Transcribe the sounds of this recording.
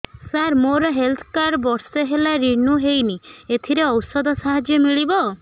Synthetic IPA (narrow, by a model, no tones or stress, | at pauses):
saɾmoɾɔɦelt̪ʰɔ̥kaɾbɔɾseɦelaɾinuɦejniet̪ʰiɾeɔwsɔd̪ɔsaɦad͡ʒjɔmiɭibɔ